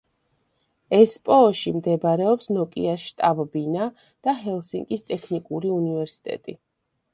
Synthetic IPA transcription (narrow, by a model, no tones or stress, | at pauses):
ɛspʼɔːʃimd̪ɛbɾɛɔpsnɔkʼiaʃt̪ʼabbina | d̪̥aɦɛlˠsiŋɡʼist̪ʼɛkʰnikʼuɾiunivɛɾsi̥t̪ʼɛ̰t̪ʼi